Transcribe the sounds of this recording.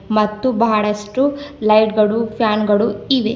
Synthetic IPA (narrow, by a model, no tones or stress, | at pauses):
mɐt̪ːubɐɦɐɭɐsʈulɐjʈɡɐɭupʰjaːnɡɐɭuiʋḛ